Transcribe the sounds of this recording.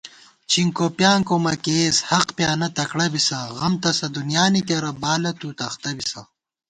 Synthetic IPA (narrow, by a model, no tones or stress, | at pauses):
t͡ɕʰiŋkopjaːŋkomɐkeːzhɐqpjaːnɐt̪ɐkɽɐbisɐɣɐmt̪ɐsɐd̪unjaːnit̪̬jɐɾɐbaːlɐt̪uːt̪ɐxt̪ɐbisɐ̰